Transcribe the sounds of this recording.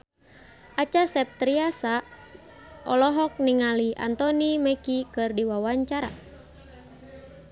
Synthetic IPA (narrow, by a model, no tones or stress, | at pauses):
ʔat͡ʃasɛp̚t̪ɾiasa | ʔɔlɔɦɔk̚niŋalia̰nt̪ɔnimɛkikɨrdiwawaɲt͡ʃaɾa̰